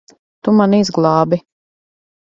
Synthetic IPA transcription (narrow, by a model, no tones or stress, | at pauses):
t̪umanizɡlˠɑːbi